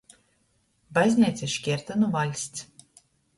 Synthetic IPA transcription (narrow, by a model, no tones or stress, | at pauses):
bajzʲnʲiɛt̪sʲiʃkʲiɛɾt̪anuvalʲsʲt̪s